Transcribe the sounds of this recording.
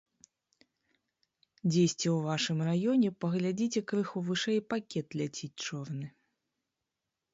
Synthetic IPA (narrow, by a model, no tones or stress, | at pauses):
d͡zʲesʲt͡sʲɛwvaʂɨmrajɔnʲɛpɐɣlʲad͡zʲit͡sʲɛkɾɨxuvɨʂɛjpakʲɛt̪lʲat͡sʲit͡sʲt͡ʂɔrnɨ